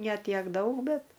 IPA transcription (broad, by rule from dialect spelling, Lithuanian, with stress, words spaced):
nʲɛ ˈtʲiɛk ˈdɐʊk ˈbʲɛt